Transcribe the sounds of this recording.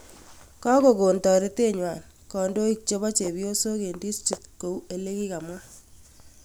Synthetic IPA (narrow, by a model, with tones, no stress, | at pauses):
kɔ˦ko˨ko˨ntɔ˨ɾe˦te˦ɲwa˨n | kɔ˨ndo˦i˦k̚t͡ʃe˦βa˦t͡ʃe˨bjo˦so˦ke˨ndi˦sti˨tko˨we˨le˦ki˦ka˨mwa˦